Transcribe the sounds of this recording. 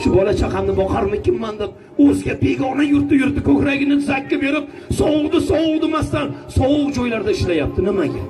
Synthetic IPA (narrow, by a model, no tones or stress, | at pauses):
ʃʊbɒlat͡ʃʰaqʰɑmnɪbɒqʰaɾmɪkʲʰɪmːand̪ɪp̚ | ɵzɡʲabe̞ɡʲɒnajʊɾt̪̚ːɪjʊɾt̪ːɪkʰɵkʲɾaɡʲɪnɪzakʲːabe̞ɾɪp̚ | sɒwʊʁˠd̪ɪsɒwʊlˠd̪ɪmast̪ansɒwʊqd͡ʒɒjlaɾd̪aɪʃlajap̚t̪ʰɪnɪmaɡʲa